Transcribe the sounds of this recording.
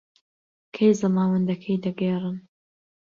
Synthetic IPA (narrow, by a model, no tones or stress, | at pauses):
kʰɐjzɐmaːwɐnd̪ɐkʰɐjd̪ɐɡɐjrˤɨn